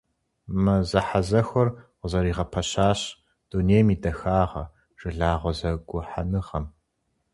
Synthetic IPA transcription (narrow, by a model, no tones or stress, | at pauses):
mɐzɐħazɐxʷɔrqəzɐɾiːʁɐpʰɐɕaːɕ | d̥uneːjmiːdɐxaːʁɐ̰ | ʒ̥ɨɮaːʁʷɔzɐɡʷʊħa̰nɨʁɐm